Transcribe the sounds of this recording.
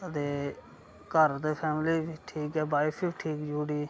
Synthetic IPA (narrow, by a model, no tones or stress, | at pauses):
ət̪eː | kəɾd̪eːpʰɛːmliːbiʈʰiːkɛːbaːɪpʰiːbiʈʰiːkd͡ʒuːɽiː